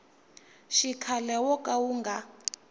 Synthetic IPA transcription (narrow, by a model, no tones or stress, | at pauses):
ʃikʰalɛwɔkʼawuːŋɡa